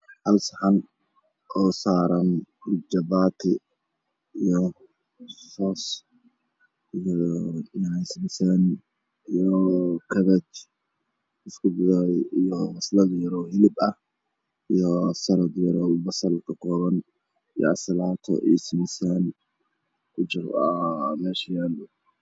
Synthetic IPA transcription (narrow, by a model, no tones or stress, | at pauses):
ħɐlsɐħɐn | ʔɔːsaːɾɐnd͡ʒɐbaːt̪ʰɪ | ijɔ | sɔːs | ijnsmɪsɐn | ijɔkʰɐβɐt͡ʃ | ɪskʰʊbɪðaijɔɐslɐd̪jɐɾɔhɪlɪbɐh | ijɔsɐɾɐd̪jɐɾɔbɐsɐlkʰɐkʰɔːβɐn | ijɔ̰ɐ̰slaːt̪ʰɔ̰ʔḭsmɪsɐn | ʊt͡ʃɪramɛːʃjaːlʊ